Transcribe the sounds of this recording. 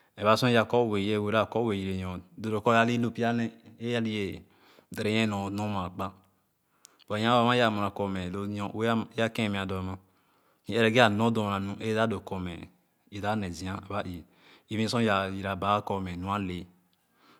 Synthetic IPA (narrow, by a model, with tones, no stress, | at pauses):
ɛ˨βa˦sɔ̃˦ja˨kɔ˦˨we˨je˦˨we˨ɾa˦˨kɔ˦we˨ji˨ɾe˨jɔ̃˨do˨do˨kɔ˦ja˦li˦lu˦˨pi˦a˦nɛ˦e˦a˦li˦je˨ | dɾe˨˦jɛ˦nɔ̃˨no˦ma˨k͡pa˦ | ba˨jã˦a˨ma˦ja˨mũ˨ɾa˨kɔ˨mɛ˨lo˦ɔ˦e˦a˦kẽ˦˨mɛ̃˨a˨dɔ˨ma˦ | ɛ˦ɾɛ˨ɡe˦a˨nɔ̃˦do˨ɾa˨nũ˦ʔe˦da˦do˨kɔ˨mɛ̰˨ | i˨da˦nɛ˨zi˨˦ã˦˨ba˦ʔi˨ | i˦vĩ˦sɔ̃˦ja˨ji˨ɾa˨ba˦kɔ˨mɛ˨nũ˨˦a˦le˨